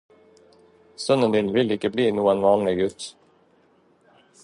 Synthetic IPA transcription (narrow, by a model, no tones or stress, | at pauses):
st̪ɵnd̪ənd̪ɪnvɪlɪkːəbliːnuːɔnvɑːnlɪɡʉ̟ːt̪